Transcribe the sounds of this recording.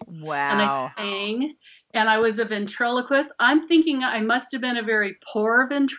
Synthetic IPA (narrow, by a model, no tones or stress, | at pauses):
wɨ̃naɪsɪ̃ŋ | ɨ̃ñaɪwʌzɨvɨ̃ntʰɹ̥ɛlˠəkʰwɨsãɪ̃mθɪ̃ŋkɪ̃ŋaɪmʌst̚hɨvbɨ̃ñɨvɛɹipʰuɹʌvɨ̃ntʰ